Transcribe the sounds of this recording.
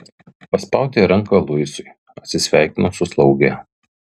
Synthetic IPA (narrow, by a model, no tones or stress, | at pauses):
pɐspɑˑʊt̪ʲeːɾɐŋˑkɐlˠʊɪsʲʊj | ɐt̪ʲsʲɪsʲʋʲæˑɪkʲɪnosʊslˠɐʊɡʲɛ